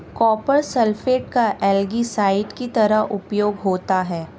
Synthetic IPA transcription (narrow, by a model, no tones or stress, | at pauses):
kɔːpəɾsɛlfeːʈ̚kaʔɛːlɡisaːɪʈkit̪ɐɾəɦʔʊpjoːɡɦoːt̪aɦɛː